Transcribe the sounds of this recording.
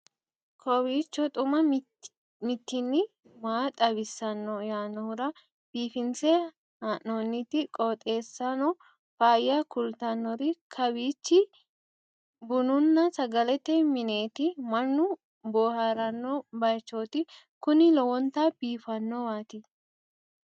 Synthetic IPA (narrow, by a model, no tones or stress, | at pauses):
kʰɔwiːt͡ʃːɔt̪ʼʊmɐ | mɪt̪ːɪnːɪ | maːt̪ʼɐbɪsːɐnːɔjaːnɔhʊɾɐ | b̥iːfɪnt͡sɛ | haʔnoːnːɪt̪ɪkʼɔt̪ʼe̞ːsːɐnɔ | faːjɐkʊlt̪ɐnːɔɾɪkʰɐbiːt͡ʃːɪ | bʊnʊnːɐsɐɡɐlɛt̪ɛmɪne̞ːt̪ɪmɐnːʊ | boːhaɾɐnːɔbɐjt͡ʃːoːt̪ɪ | kʊnɪlɔwɔnt̪ab̥iːfɐnːɔwaːt̪ɪ